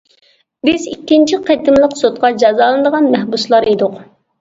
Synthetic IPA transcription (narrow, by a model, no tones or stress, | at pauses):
bɪzikʲːint͡ʃʰiqʰet̪ɪmlˠəqsot̪̚qɑd͡ʒɑzɑːlˠɨnd̪əʁɑnmɛhbuslˠɑɾed̪ʊq